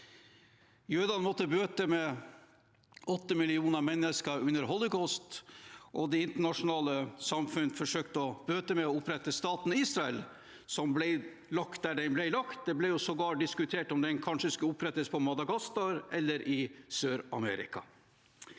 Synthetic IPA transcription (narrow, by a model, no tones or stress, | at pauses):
jøːd̪ɑnmɔt̪ːəbøːt̪əmɛ | ɔt̪ːəmɪlɪuːnəmɛnːəskəɾʉnːəɾɦɔlʊkɔst̪ʔɔd̪ɛɪnt̪əɳɑʂʊnɑːləsɑmfʉnfɔʂøːk̚t̪əɔb̥øːt̪əmɛɔʊpɾɛt̪ːəst̪ɑːt̪niːsɾɑɛl | sɔmblɛɪ | lɑkt̪̚d̪æɖɛɪnblæɪlɑkt̪̚d̪ɛblɛjʊsɔɡɑːʈ̚d̪ɪskʉt̪ʰeːʈɔmd̪ɛɪnkʰɑnʂəskʉləʊpɾɛt̪əspʰɔmɑd̪ɑɡɑst̪ɑɾɛlːəɾʔɪsøːɾɑ̰mɛ̰ːɾɪ̰kɑ̰